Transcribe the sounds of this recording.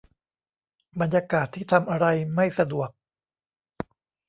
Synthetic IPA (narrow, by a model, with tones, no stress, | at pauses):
ba˧njaː˧kaː˨˩t̪ʰːiː˥˩t̪ʰa˧mʔa˧ɾa˧jma˥˩jsa˧du˨˩ək̚